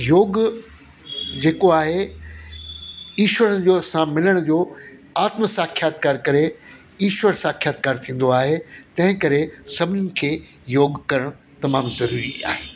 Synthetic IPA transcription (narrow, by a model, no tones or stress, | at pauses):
joːɡ | d͡ʑeːkoaːɦe | iːʃʋəɾd͡ʑoːsãmɪləɽ̃ʊd͡ʑoːaːt̪məsaːkʰijaːt̪kaːɾkɐɾe | iːʃwəɾsaːkʰjaːt̪kaːɾt̪ʰĩːn̆d̪oaːɦet̪ɐ̃ɦɪ̃kɐɾesɐbʱɪnənɪ̆kʰeː | joːɡkɐɾəɽ̃ | t̪ɐmaːmzɐɾuːɾia̰ːɦeː